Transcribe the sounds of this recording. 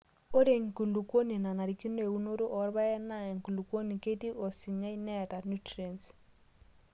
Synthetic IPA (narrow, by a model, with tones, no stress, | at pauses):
o˦ɾe˨ŋ˨ku˨lu˨ko˦ni˨na˨na˨ɾi˨ki˦ne˨u˦no˦ɾu˦ʔɔ˨˦ɾβa˦ɛ˦na˦˨ɛ˨ŋ˨ku˨lu˨kwo˦ni˨ke˦ti˦ʔo˨si˨ɲa˦i˦nɛ˦ta˨nu˦tɾie˨ns